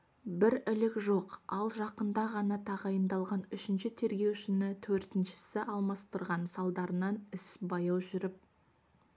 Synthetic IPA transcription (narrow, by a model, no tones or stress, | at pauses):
bɪɾɪlɪkʒo̞qɑlˠʒɑqənd̪ɑʁɑnɑt̪ʰɑʁɑjənd̪ɑlˠʁɑnʏʃɪnʃɪt̪ʰe̞ɾɡʲe̞wʃɪnɪt̪ʰɵɾt̪ɪnʃɪ̥sɪʔɑlˠmɑst̪əɾʁɑnsɑlˠd̪ɑɾənɑnɪsbɑjɑwʒʏɾɪp̚